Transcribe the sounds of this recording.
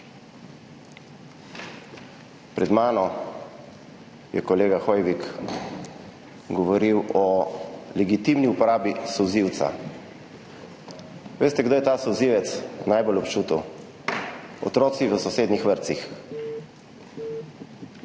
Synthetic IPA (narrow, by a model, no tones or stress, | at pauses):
pɾɛd̪maːnɔ | jɛ̰kɔleːɡaxɔjʋik | ɡɔʋɔɾiwɔlɛɡit̪imniupɔɾaːbisɔwziwt̪sa̰ | ʋeːst̪ɛɡd̪oːjɛt̪aːsɔwziʋɛt̪snajbolɔpt͡ʃuːt̪əw | ɔ̰t̪ɾoːt̪siʋəsɔseːd̪nixʋəɾt̪six